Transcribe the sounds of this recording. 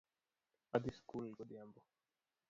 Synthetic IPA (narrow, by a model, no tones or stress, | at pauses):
ad̪iskulɡɔd̪jambɔ